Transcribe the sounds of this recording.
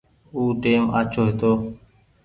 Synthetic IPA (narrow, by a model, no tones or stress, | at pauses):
uːʈeːmaːt͡ʃʰoːɦet̪oː